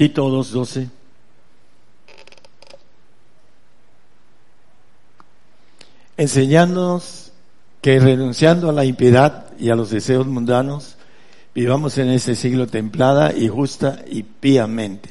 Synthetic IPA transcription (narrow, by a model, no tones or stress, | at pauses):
t̪it̪oðozd̪ose | ense̞ɲãnd̪onos | ke̞re̞nũnsjand̪oalaimpje̞ðað | ialo̞zðe̞se̞o̞zmũnd̪ano̞z | biβamo̞se̞ne̞se̞siɣlo̞t̪e̞mplaða̰ʔixust̪aipiamẽ̞nt̪e̥